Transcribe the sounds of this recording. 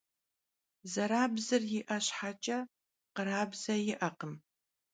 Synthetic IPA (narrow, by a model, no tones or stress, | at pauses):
zɐɾaːbzɨrjɪʔɐɕħat͡ʃʼɐ | qəɾaːbz̥ɐjɪʔɐqəm